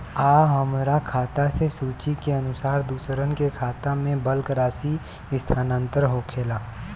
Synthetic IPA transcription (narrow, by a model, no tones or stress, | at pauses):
aːɦəmɾakʰaːt̪asesuːt͡ʃikeənʊsaːɾd̪uːsɾənkekʰaːt̪amẽbəlkɾaːsi | ɪst̪ʰaːnãːnt̪əɾɦoːkʰeːlaː